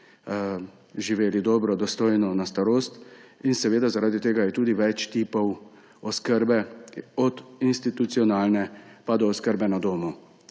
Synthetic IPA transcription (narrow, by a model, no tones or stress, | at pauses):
ʒiʋeːlid̪ɔːbɾɔd̪ɔst̪oːjnɔnast̪aɾoːst̪insɛʋeːd̪azaɾaːd̪it̪eːɡajɛt̪uːd̪iʋɛt͡ʃt̪iːpɔw | ɔskəɾbɛɔd̪inst̪it̪ut̪siɔnaːlnɛpad̪ɔːskəɾbɛnad̪oːmu